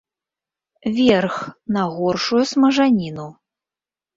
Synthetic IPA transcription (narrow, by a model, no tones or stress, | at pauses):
vʲɛrxnɐɣɔrʂujusmɐʐanʲinu